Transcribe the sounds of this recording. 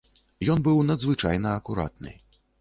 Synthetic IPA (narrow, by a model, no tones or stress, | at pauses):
jɔnbɨwnɐd̪zvɨt͡ʂa̰jnɐːkuɾa̰t̪nɨ̰